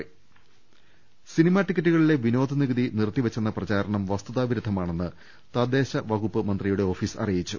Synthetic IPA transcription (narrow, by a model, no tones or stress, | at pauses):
sinimaːʈːikːɐʈːuɣɐɭile̞ʋino̞ːd̪ʱɐniɣɐðinirt̪ːiʋɐt͡ɕːenːɐprɐt͡ɕaːɾɐɳɐmʋɐst̪uðaːʋiɾud̪ʱːɐmaːɳe̞nːɨ | t̪ɐd̪ːe̞ːɕɐʋɐɣupːɨmɐnd̪rijuɽe̞o̞ːfiːsɐ̰rijit͡ɕːu